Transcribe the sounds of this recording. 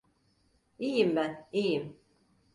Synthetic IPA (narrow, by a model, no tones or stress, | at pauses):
ijimbænijim